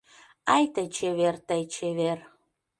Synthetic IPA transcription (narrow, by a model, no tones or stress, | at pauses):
ɑjt̪ət͡ɕeβert̪əjt͡ɕeβer